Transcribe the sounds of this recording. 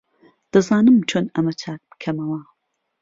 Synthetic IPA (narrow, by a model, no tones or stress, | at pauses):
d̪̥ɐzaːnɨmt͡ʃʰoːnɐmɐt͡ʃʰaːk̚b̥ɨ̥kʰɐmɐwɐ